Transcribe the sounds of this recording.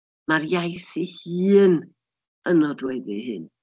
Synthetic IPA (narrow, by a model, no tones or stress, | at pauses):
marjajsihiːn | ənɔdwɛðihɨ̰n